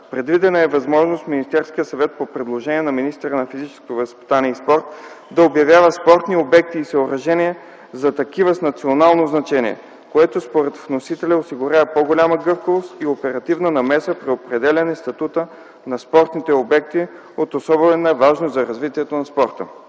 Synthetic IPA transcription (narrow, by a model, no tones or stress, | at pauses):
pɾɛd̪vid̪ɛnəɛvɐzmɔʒnost̪minist̪ɛɾskijəsɐvɛt̪̚popɾɛd̪lˠoʒɛniɛnɐminist̪ɛɾənɐfizit͡ʃɛ̥sko̥t̪ovɐspi̥t̪aniɛispɔɾt̪d̪ɐobjɐvʲjavəspɔɾt̪niobɛk̚t̪iːsɐoɾɐʒɛniɛ | zɐt̪ɐkivəsnɐt̪sionalˠnoznɐt͡ʃɛniɛ̰ | koɛt̪ospoɾɛt̪vnosit̪ɛlʲɐosiɡʊɾʲavpoɡolʲaməɡɤfkəvost̪iopɛɾɐt̪ivnənɐmɛsəpɾiopɾɛd̪ɛlʲɐnɛst̪ɐt̪ut̪ə | nɐspɔɾt̪nit̪ɛobɛk̚t̪i | ot̪osɔbɛɛnəɛvaʒnozɐɾɐzvit̪iɛt̪onɐspɔɾt̪ə